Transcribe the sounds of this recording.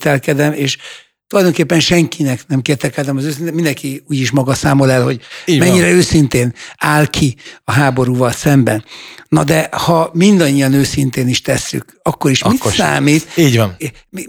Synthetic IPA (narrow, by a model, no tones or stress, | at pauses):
t̪ɛlkɛd̪ɛmeːʃ | t̪ulɒjd̪o̞ŋkeːpːɛnʃɛŋkʰinɛknɛmkeːt̪ɛlkɛd̪ɛmɒzøːs̬inemind̪ɛŋkiuːɟiʃ̬mɒɡɒsaːmo̞lɛlɦho̞ɟimɛɲːiɾɛøːsint̪eːnaːlkʰiɒɦaːbo̞ɾuːvɒlsɛmbɛnːɒd̪ɛhɒmind̪ɒɲːijɒnøːsint̪eːniʃt̪ɛsːy̰k | ɒkːo̞ɾiʃisʃsa̰ːmiːt̪ːɟn | mi